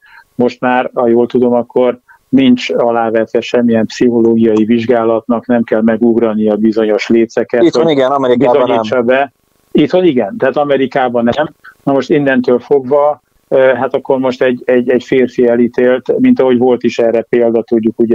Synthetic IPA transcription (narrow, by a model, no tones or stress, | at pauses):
mo̞ʃt̪maːrhɒjoːlt̪ud̪o̞mɒkːo̞r | nint͡ʃɒlaːvɛt̪ʋɛʃɛmːijɛmpsiɦo̞loːɡijɒjiviʒɡaːlɒt̪nɒknɛmkɛlmɛɡuɡrɒnijɒbizo̞ɲo̞ʃleːt̪sɛkɛtːt̪iɡɛnɒmɛɾibizoɲit͡ʃɒbɛ | it̪honiɡɛnt̪ɛaːt̪ɒmɛɾikaːbɒnɛmnɒmo̞ʃt̪ind̪ɛnt̪øːlfo̞ɡvɒ | ɦat̪ɒkːo̞rmo̞ʃt̪ɛɟɛɟːɛɟfeːrfiɛlit̪eːlt̪mint̪ɒɦo̞ɟvo̞lt̪iʃɛːrɛpeːld̪ɒt̪uɟːukuɟ